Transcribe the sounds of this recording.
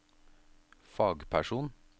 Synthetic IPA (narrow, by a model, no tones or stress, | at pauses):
fɑːɡpʰæʃuːn